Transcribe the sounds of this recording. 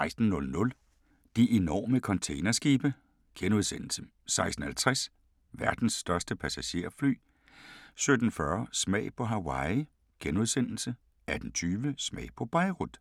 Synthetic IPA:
ɑ̈ɪsd̥n̩ːɔ̽lnɔ̽l | d̥iʔe̝nɒ̰ːməkʰɒ̽nt͡sʰeɪnɐsɡ̥iːb̥ə | ɡ̥enuð̞ˠsen̰l̩sə | sɑ̈ɪsd̥n̩hælt͡sʰʁɛs | ʋæɐd̥n̩sːd̥ɶɐsd̥əpʰæsæɕe̝̰ɐ̰fly̰ː | sød̥n̩fɶɐsmɛ̰ɪpʰɒ̽ɦæwɑ̈ɪ | ɡ̥enuð̞ˠsen̰l̩sə | æɐd̥ent͡sʰyːʋəsmɛ̰ɪpʰɒ̽b̥ɑɪʁud̥

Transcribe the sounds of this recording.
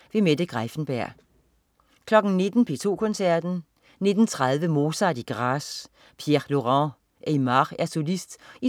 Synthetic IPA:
ʋe̝med̥əɡ̥ʁafn̩b̥æɐ̰ | kʰlɒ̽ɡ̥n̩ne̝d̥n̩pʰe̝̰ːt͡sʰo̝̰ːkʰɔ̽nsæɐ̰d̥n̩ | ne̝d̥n̩t͡sʰʁað̞ˠʋəmo̝ːsɑd̥iɡ̥ʁɑs | pʰjeʁlo̝ʁɑ̃ | ʔemɑʁæɐsolisd̥i

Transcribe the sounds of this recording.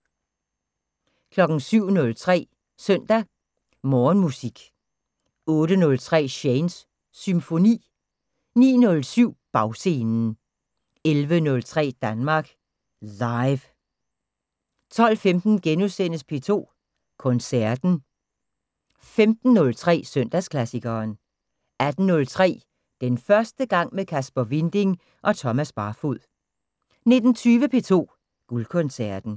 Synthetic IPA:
kʰlɒ̽ɡ̥n̩syʊ̰nɔ̽lt͡sʰʁɛ̰ː | sœn̰d̥æ | mɒːnmusiɡ̥ | ɔ̽ːɾ̥ənɔ̽lt͡sʰʁɛ̰ːɕeɪnsː | ymfo̝nḭː | nḭːnɔ̽lsyʊ̰b̥ɑ̈ʊse̝ːnn̩ | elʋənɔ̽lt͡sʰʁɛ̰ːd̥ænmɑ̈ɡ̥ | lɑ̈ɪʋ | t͡sʰɒ̽l̰femd̥n̩ɡ̥enusen̰əspʰe̝̰ːt͡sʰo̝̰ː | kʰɔ̽nsæɐd̥n̩ | femd̥n̩ːɔ̽lt͡sʰʁɛ̰ːsøn̰d̥æskʰlæsiɡ̥ɐːn | æd̥n̩nːɔ̽lt͡sʰʁɛ̰ː | d̥enfɶɐsd̥əɡ̥ɑ̈ŋ̰mekʰæsb̥ɐʋind̥e̝ŋ | ʔɒ̽t͡sʰɒ̽mæsb̥ɑ̈ːfuð̰ˠ | ne̝d̥n̩t͡sʰyːʋəpʰe̝t͡sʰo̝̰ː | ɡ̥ulkʰɔ̽nsæɐd̥n̩

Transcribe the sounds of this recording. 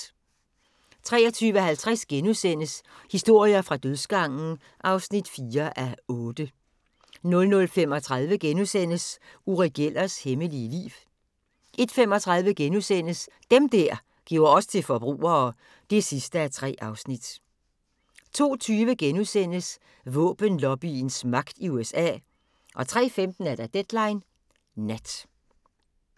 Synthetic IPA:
t͡sʰʁɛ̰ːɐt͡sʰyːʋəhælt͡sʰʁasɡ̥enusen̰əshisd̥o̝ɐ̰iɐfʁɑ̈d̥øðˠsɡ̥ɑ̈ŋ̰n̩ | ʔɑ̈ʊsnid̥fiːɐʔæɔ̽ːd̥ə | nɔ̽lnɔ̽lfem̰ɒ̽t͡sʰʁɑðˠʋəɡ̥enusen̰əsuʁɛɡ̥el̰ɐsheməliəlḭːw | ʔe̝d̥fem̰ɒ̽t͡sʰʁɑ̈ð̞ˠʋəɡ̥enusen̰əs | d̥emd̥æɐ̰ | ɡ̥iʊɐɒ̽sə̥t͡sʰe̝lfɒ̽b̥ʁṵːɐː | d̥e̝sisd̥əæt͡sʰʁɛ̰ːʔɑ̈ʊsnid̥ | t͡sʰo̝̰ːt͡sʰyːʋəɡ̥enuðsen̰əs | ʋɔ̰̽ːb̥ənlɒ̽b̥insmɑ̈ɡ̥̚d̥iuesɛ̰ː | ʔɒ̽t͡sʰʁɛ̰ːfemd̥n̩æɐd̥æd̥ed̥lɑ̈ɪnː | æd̥

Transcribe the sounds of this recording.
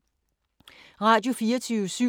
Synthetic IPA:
ʁɑ̈ːd̥jo̝fiːɐt͡sʰyːʊsy

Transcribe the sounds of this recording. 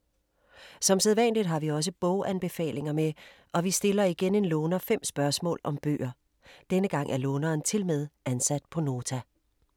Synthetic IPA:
sɒ̽mseð̞ˠʋæn̰lid̥ɦɑ̈ʋiɒ̽s̬əb̥ɔʊʔænb̥e̝fɛ̰ːle̝ŋɐmeʔɒ̽ʋisd̥e̝lɐiɡ̥ene̝nlɔːnɐfem̰sb̥ɶɐsmɔ̰̽ːlɒ̽mb̥ø̰ːʔɐ | d̥enəɡ̥ɑ̈ŋ̰ʔæɐlɔːnɐːnt͡sʰe̝lmeð̞ˠʔænsæd̥̚pʰɒ̽no̝ːt͡sʰæ

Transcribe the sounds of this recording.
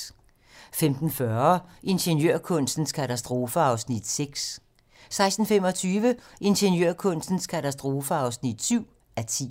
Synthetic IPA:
femd̥n̩fɶɐʔe̝nɕənjøɐ̰kʰɔ̽n̰sd̥n̩skʰæt͡sʰæsd̥ʁo̝ːfəɑ̈ʊsnid̥seɡ̥s | sɑ̈ɪsd̥n̩fem̰ɒ̽t͡sʰyːʋəʔe̝nɕənjøɐ̰kʰɔ̽n̰sd̥n̩skʰæt͡sʰæsd̥ʁo̝ːfəɑ̈ʊsnid̥syʊ̰ | æɐt͡sʰḭː

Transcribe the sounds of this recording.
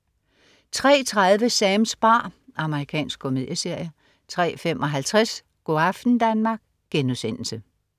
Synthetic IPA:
t͡sʰʁɛ̰ːt͡sʰʁað̞ˠʋəsɛːmsb̥ɑ̰̈ːɑ̈məʁikʰɛ̰ːnsɡ̥̚kʰo̝me̝ðˠjəse̝ɐ̰jə | t͡sʰʁɛ̰ːfem̰ʔɒ̽ɦælt͡sʰʁɛs | ɡ̥oæfd̥n̩d̥ænmɑ̈ːɡ̥̚ | ɡ̥enusen̰l̩sə

